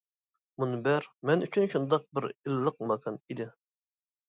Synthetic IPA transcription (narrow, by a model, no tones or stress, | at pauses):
munɨbæɾmɛnyt͡ʃʰynʃund̪ɑq̚bɪɾilːəq̚mɑkʰɑnid̪ɪ